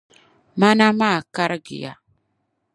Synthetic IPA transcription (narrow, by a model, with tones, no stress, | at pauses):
ma˦na˦ma˦˨ka˦ɾɡḭ˨ja̰˨